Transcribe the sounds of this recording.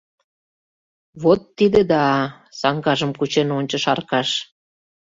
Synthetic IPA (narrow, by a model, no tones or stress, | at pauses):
βot̪ːid̪ĕd̪ɑ | sɑŋɡɑʒəmkut͡ɕenonʲt͡ɕə̆ʃɑrkɑʃ